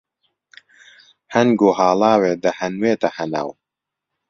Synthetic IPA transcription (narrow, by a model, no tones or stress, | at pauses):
hɐnɡohaːlaːweːd̪ɐhɐnweːt̪ɐhɐna̰w